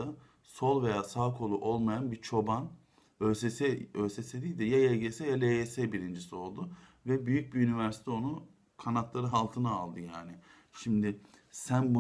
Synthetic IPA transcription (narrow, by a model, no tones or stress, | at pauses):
a | so̞lˠve̞jaːsaːkʰo̞lˠuʔo̞lˠmajanbit͡ʃʰo̞ban | øsesɛøːsesed̪ijd̪ɛjajɛlʲɟesɛjalʲeesɛbiɾind͡ʒisio̞lˠd̪ʊ | vɛbyjyc̚biynivæɾsi̥t̪ʰɛo̞nu | kʰanat̪lˠaɾɯɦalˠt̪ʰɯnaːlˠd̪ɯjaːnɪ | ʃimd̪ɪsænbu